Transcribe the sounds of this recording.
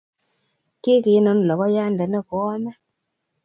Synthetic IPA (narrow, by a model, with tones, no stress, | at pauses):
ke˦ke˨˦nɔ˨˦n˨lɔ˨bɔ˦ja˦ndɛ˨nɛ˦˨ko˨˦ɔ˦mɛ˦